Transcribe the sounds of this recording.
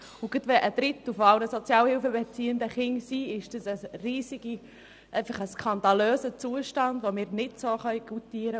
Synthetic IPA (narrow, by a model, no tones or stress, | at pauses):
ʊɡ̥ət̪ʋɛʔəd̥ɾɪt̪əfoɑʊnəsot͡sjɑːlhɪlfəbet͡siːənd̪əχɪŋsiːɪʃd̥əsəriːsiɡ̥i | ʔæɪfəχəskʰɑnd̪ɑløːsət͡suəʃtɑndʋomɪːɾnɪtsoːχœʏɡ̥utiːɾə